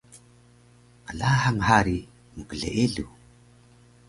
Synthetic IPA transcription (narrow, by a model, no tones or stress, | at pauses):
alahaŋhaɾi | məkəɮḛʔeɮu